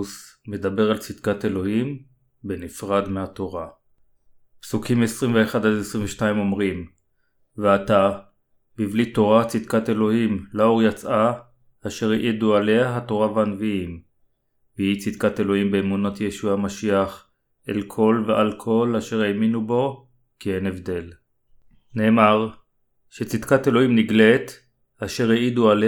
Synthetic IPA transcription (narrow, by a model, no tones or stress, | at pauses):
usme̞d̪abe̞ʁalt͡sid̪̥kat̪e̞lo̞him | benifʁad̪meat̪o̞ʁa | psukimesʁimveːχad̪alesʁiɱveʃnaimo̞mʁim | veat̪a | bivlit̪o̞ʁat͡sid̪kat̪e̞lo̞himlao̞ʁjat͡sʔaː | ʃe̞ʁeʔiduale̞aɦato̞ʁaveanviim | biit͡sid̪kate̞lo̞imbeːmunot̪jeʃuamaʃiaχ | ʔḛlkʰo̞lvealkʰo̞laʃe̞ʁeminubo̞ | kienevd̪e̞l | ne̞ːmaʁ | ʃet͡sid̥̪katelo̞himniɡlet | aʃe̞ʁeiduale